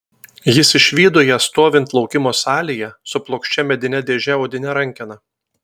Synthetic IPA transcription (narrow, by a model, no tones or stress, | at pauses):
jɪsɪʃʲʋʲiːd̪oːjɛst̪oːʋʲɪnt̪lˠɒʊkʲɪmoːsɑːlʲijɛsʊplˠoːkʃʲt͡ʃʲɛmʲɛd̪ʲɪnʲɛd̪ʲeːʒʲɛɔːd̪ʲɪnʲɛɾɐŋʲkʲɪnɐ